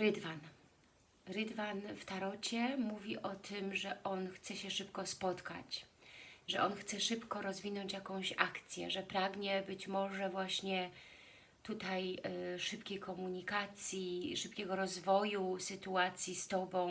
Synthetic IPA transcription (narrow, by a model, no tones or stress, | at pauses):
ɾɘd̪van | ɾɘd̪vanft̪aɾɔt͡ɕɛmuvʲiʔɔt̪ʰɘmʐɛʔɔnxt̪sɛɕɛʂɘpkɔspɔt̪ka̰t͡ɕ | ʐɛʔɔnxt̪sɛʂɘpkɔɾɔzvʲinɔɲt͡ɕjakɔ̃w̃ɕakt̪sʲjɛ̰ʐɛpɾaɡɲɛbɘt͡ɕmɔʐɛvwaɕɲɛ | t̪ut̪ajʂɘpkʲejkɔmuɲikat̪sʲjiʂɘpkʲɛɡɔɾɔzvɔjusɘt̪uat̪sʲjist̪ɔbɔ̃w̃